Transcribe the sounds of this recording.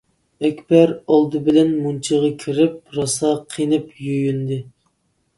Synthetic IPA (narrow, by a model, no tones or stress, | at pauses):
ɛkʲbæɾɑlˠd̪ɨbɪlɛnmunt͡ʃʰiʁɑkʲʰiɾɪp̚ɾɑsɑqʰinɪpjyjynd̪ɪ